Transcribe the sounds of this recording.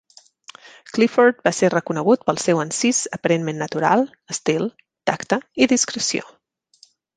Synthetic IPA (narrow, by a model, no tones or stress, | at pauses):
klifort̪̚baserəkunəɣ̞ut̪̚pəlˠsewənsizəpəɾenmenːət̪uɾa̰lˠ | əst̪ilˠ | t̪akt̪əiðiskɾəsio̰